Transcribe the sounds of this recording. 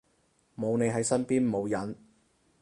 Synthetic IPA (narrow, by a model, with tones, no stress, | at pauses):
mo˨˧wne˨˧jɦɐ˨˥jsɐ˥npiː˥nmo˨˧wjɐ˨˥n